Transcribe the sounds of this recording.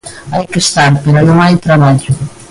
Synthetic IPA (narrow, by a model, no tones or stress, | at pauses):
ajkest̪aɾpeɾonoŋajt̪ɾaβaʎʊ